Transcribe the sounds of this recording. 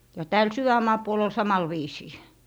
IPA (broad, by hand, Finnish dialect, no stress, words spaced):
jɑ tæːl syʋæmːɑː puol ol sɑmɑl ʋiːsiː